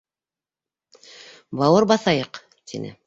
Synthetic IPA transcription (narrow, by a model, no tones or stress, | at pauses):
bɑwɤɾbɑθɑjɤq | t̪ʰḭnɘ̰